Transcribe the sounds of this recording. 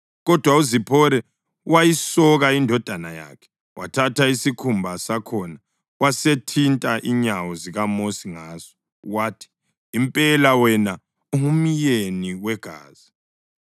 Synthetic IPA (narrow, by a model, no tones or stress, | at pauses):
ɣɔd̥ʱwauzipʰɔɾɛ | wajisɔɣaindʱɔd̥ʱanaja̰kʰɛ̥ | wʔa̰tʰatʰaisikʰumbʱasakʰɔna | wasetʰintʼaʔiɲawɔziɣamosiŋaːz̥ɔ̥ | waːtʰi̥ː | mpʼɛlawɛna | uɦumijeniwɛɡ̥ʱa̰ːz̥i